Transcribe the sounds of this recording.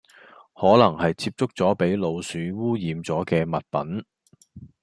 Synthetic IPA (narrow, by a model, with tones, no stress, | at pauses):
hɔː˨˥lɐ˨˩ŋhɐ˨jt͡sʰiː˧p̚t͡sʊ˥k̚t͡sɔː˨˥pe˨˥jlo˨˧wsyː˨˧˥wuː˥jiː˨mt͡sɔː˨˥kɛː˧mɐ˨t̚pɐ̰˨˥n